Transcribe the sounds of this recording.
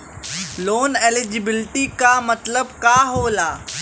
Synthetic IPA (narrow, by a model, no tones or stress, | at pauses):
loːneːlɪd͡ʒɪbɪlʈikamɐt̪ləbkaːɦoːlaː